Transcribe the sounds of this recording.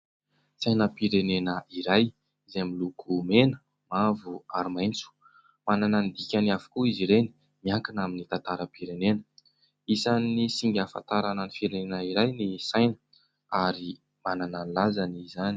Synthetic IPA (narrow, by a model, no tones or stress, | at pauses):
sajnəpiɾenenəiɾaj | izemilukʰumenə | mavuaɾimajnt͡su̥ | mananand̪ikʲanavu̥kuiziɾeni̥ | miaŋkinaminit̪ant̪aɾəpiɾenenə̥ | isanːisiŋɡʲafa̰t̪aɾananifiɾenenəiɾajnisajnə̥ | aɾi | manananilazanizani